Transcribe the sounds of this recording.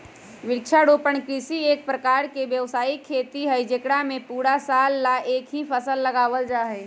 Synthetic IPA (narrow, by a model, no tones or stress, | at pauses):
ʋɪkt͡ʃʰaɽoːpəɳkɪsieːk̚pɾəkaːɾkeʋjəʋsaːikʰeːt̪iɦəid͡ʒekɽamẽpuːɽasaːlːaʔeːkɦipʰəsəlːəɡaːʋəld͡ʒaːɦɛː